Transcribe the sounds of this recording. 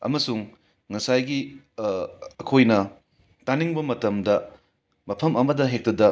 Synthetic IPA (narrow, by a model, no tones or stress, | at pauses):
ɐ̰mɐsuŋ | ŋɐsajɡi | ɐkʰojnɐ | taniŋbɐmɐtɐmdɐ | mɐpʰɐmɐmɐdɐɦek̚tɐdɐ